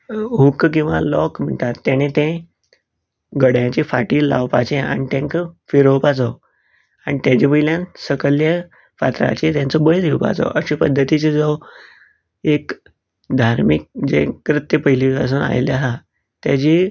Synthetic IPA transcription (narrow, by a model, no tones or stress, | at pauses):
ɦukkĩw̃ʋalɔkm̤əɳʈat̪ːjaɽ̃et̪ẽ | ɡəɽjãt͡ɕefaʈiːla̰ʋpa̰t͡ɕẽa̰ñit̪ẽŋkəfiɾəwpat͡sɔ | aɽ̃it̪jãt͡ɕepəɦiljãnsəkəljə | fat̪ɾa̰t͡ɕet̪jãnt͡sɔbəɭd̪ʱiwpa̰t͡sɔ̰ʔəɕĩpəd̪ʱːət̪it͡sed͡zo | ek | d̪ʱaɾmik̚d͡ʑḛ̃kːɾət̪jəpəɦilias̬uːna̰jljaɦa | t̪jat͡ɕi